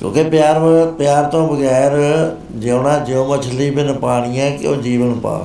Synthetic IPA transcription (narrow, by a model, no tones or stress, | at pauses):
kjõ̰ːkeːpjaːɾpjaːɾt̪õːbəɡɛːɾ | d͡ʒəʊnãːd͡ʒeõːmət͡ʃʰliːbɪnpaːɽ̃ijãːkɪ̰o̰ːd͡ʒiːʋənpa̰ː